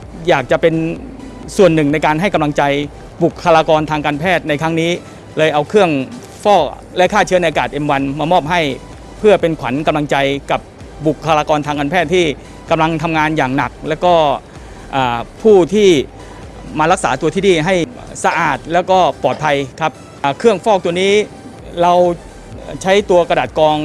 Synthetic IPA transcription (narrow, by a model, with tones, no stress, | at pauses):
jaː˨˩k̚t͡ɕa˨˩pe˧n | su˨˩ənːɯ˨˩ŋna˧jkaː˧nɦa˥˩jka˧mla˧ŋt͡ɕa˧j | bu˨˩kʰːa˧laː˧kɔː˧nt̪ʰaː˧ŋkaː˧npʰɛː˥˩t̪̚na˧jkʰa˦˥ŋniː˦˥ | lɤː˧jʔa˧wkʰɯ˥˩əŋ | fɔː˥˩ | lɛ˦˥ʔkʰaː˥˩t͡ɕʰɯ˦˥ɐn˧jʔa˧kaː˨˩t̪̚ʔe˧mwa˧nmaː˧mɔː˥˩p̚ɦa˥˩j | pʰɯ˥˩ɐpe˧nkʰwa̰˩˦nka˧mla˧ŋt͡ɕa˧jka˨˩p̚ | bu˨˩kʰːaː˧laː˧kɔː˧nʰaː˧ŋkaː˧npʰɛː˥˩t̪ʰːiː˥˩ | ka˧mla˧ŋt̪ʰa˧mŋaː˧njaː˨˩ŋna˨˩k̚lɛː˦˥wkɔː˥˩ | ʔaː˨˩pʰuː˥˩t̪ʰiː˥˩ | maː˧ɾa˦˥k̚saː˩˦t̪u˧t̪ʰiː˥˩iː˧˩ɦa˥˩j | sa˧ʔaː˨˩t̪̚lɛː˦˥wkɔː˥˩pɔː˨˩t̪̚pʰa˧jkʰa˦˥p̚ | kʰɯ˥˩əŋfɔː˥˩k̚t̪u˧ɐniː˦˥ | ɾa˧w | t͡ɕʰa˦˥jt̪u˧ɐka˧daː˨˩t̪̚kɔː˧ŋ